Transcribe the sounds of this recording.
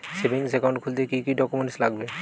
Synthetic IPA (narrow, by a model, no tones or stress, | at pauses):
sebiŋsɛkaw̃ɳɖkʰuld̪ekikidɔkumenʈislaɡbe